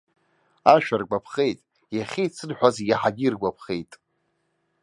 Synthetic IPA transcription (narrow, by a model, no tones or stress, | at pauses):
aʃᶣarɡʷapʰχe̞jtʼ | jaχʲijt͡sʰɨnħᶣʷazjaħaɡʲirɡʷapʰχejtʼ